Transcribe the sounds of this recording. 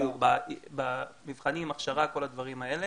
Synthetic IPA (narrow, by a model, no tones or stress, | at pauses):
ubabamivχanimaχʃaʁako̞lad̪vaʁimae̞le